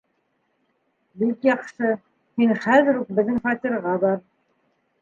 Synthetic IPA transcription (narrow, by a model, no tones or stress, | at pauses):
bikjɑqʃɤ | hinχæðɘ̆ɾuk̚bɘ̆ðːɘŋfɑt̪ʲiɾʁɑbɑɾ